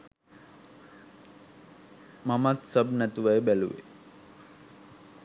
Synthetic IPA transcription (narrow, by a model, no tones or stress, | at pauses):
mamat̪səbnæt̪uʋajəbælṵʋḛ